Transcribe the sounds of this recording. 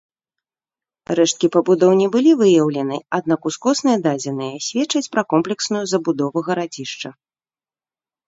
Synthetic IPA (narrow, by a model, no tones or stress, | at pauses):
rɛʂt̪̚kʲipɐbud̪ɔwnʲɛbɨlʲivɨjɐwlʲɛnɨad̪̚nakuskɔsnɨjɐd̪ad͡zʲinɨjɐsʲvʲɛtt͡ʂɐt͡sʲpɾɐkɔmplʲɛksnujuzɐbud̪ɔvɐɣɐɾad͡zʲiʂt͡ʂɐ